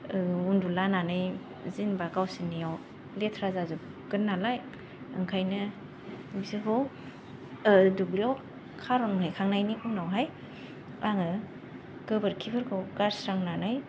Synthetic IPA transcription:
undulananɯj | zinbaɡawsiniaw | letʰɾazazu | ɡ̥ɯnːalaj | ɯ̰ŋkʰajnɯ | bizibɯw | dubliɔw | kʰaɾɔnŋhajkʰaŋnajnikunawɦaj | aŋɯ | ɡɯbɯɾkʰibʰɯɾkʰɯwɡaɾsɾaŋlanaj

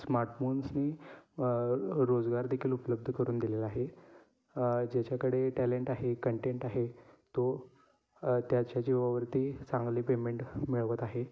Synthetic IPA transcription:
smaɾʈfonsniː | ɾod͡zɡaɾd̪ekʰiːlupələb̚d̪ʱəkəɾuːnd̪ilelaaɦe | d͡ʑat͡ɕjakəɽeʈæleɳʈaɦekəɳʈeɳʈaɦet̪o | t̪jat͡ɕjat͡ɕiːʋəʋəɾt̪iːt͡sãŋɡliːpemeɳʈmiɭʋət̪aɦe

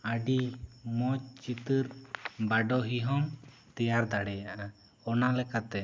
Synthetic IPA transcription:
əɖimɔt͡ʃ̚t͡ʃit̪əɾbaɖɔɦiɦɔm | t̪ɛjaɾd̪aɽɛjaʔa | ɔnalɛkat̪ɛ

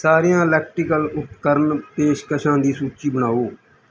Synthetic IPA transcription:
saːɾijãːlɛːk̚ʈɾɪkəlʊt̪kəɾnp̪eːʃkəʃãːd̪iːsuːt͡ʃiːbəñaːoː

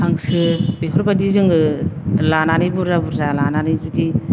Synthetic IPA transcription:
haŋsɯpeɦʰɔɾbadizɯŋɯlananibuɾzabuɾzalananizudi

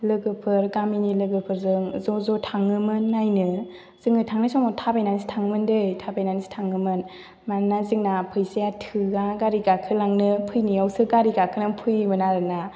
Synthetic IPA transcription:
lɯɡɯpʰɯɾɡaminilɯɡɯpʰɯɾzɯŋzɔzɔtʰaŋːɯmɯnːajnɯ | z̥ɯŋɯtʰaŋnɯsɔŋmɔtʰabajnanisi̥tʰaŋmɯndɯjtʰabajnanisi̥tʰaŋɯmɯn | manːazɯŋnapʰɯjsejatʰɯɡaɡaɾiɡakʰɯlaŋnɯpʰɯjniawsɯɡaɾiɡakʰɯnɯpʰɯjmɯnaɾɯna

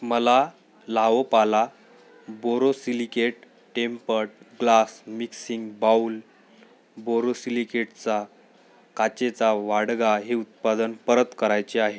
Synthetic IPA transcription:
məla | laʋəpala | boɾosilikeʈ | ʈempəɽɡlasmiksiŋɡbaul | boɾosilikeʈt͡sa | kat͡ɕet͡saʋaɽɡaɦeut̪̚pad̪ənpəɾət̪kəɾajt͡ɕeaɦe

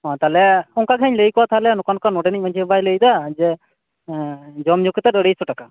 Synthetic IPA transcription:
ɦɔ̃t̪alɛɔŋkakʰɛɲləjkɔwat̪ʰalɛnɔkankanɔɖɛnic̚mad͡ʒʰibajləjd̪ad͡ʒɛ | d͡ʒɔmd͡ʒukɛt̪ɛɾəɽejsɔʈaka

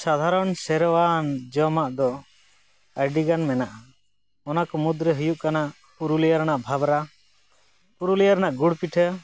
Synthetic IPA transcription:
sad̪ʱaɾɔnsɛɾwand͡ʒɔmaʔd̪ɔ | əɾɖiɡanmɛnaʔa | ɔnakɔmud̪ɾəɦujuʔkana | puɾulijaɾnaʔbʱabɾa | puɾulijaɾnaʔɡuɽpiʈʰə

